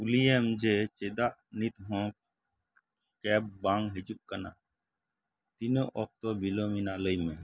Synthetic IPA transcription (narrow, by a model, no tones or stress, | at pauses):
uliɛmd͡ʒɛt͡ʃɛd̪aʔnit̪ɦɔ̃ | kɛb̚bãŋɡɦɛd͡ʒuʔ̚kana̰ | t̪inɔʔɔk̚t̪ɔbilɔminaləjmɛ̃